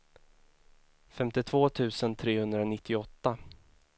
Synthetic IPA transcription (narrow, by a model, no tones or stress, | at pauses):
fɛmt̪ɪt̪ʰv̥oːt̪ʰʉ̟ːsənt̪ʰɾeːhɵnd̪ɾaɔnɪt̪ʰːɪɔt̪ːa